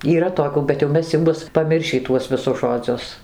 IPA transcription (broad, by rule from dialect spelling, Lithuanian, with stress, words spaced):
iːˈrɐ toːˈkʲuː bʲɛt jɛʊ ˈmʲɛs jɛʊ ˈbʊs pɐˈmʲɪrʲʃʲiː ˈtuɔs ʋʲɪˈsʊs ʒoːˈd͡zʲʊs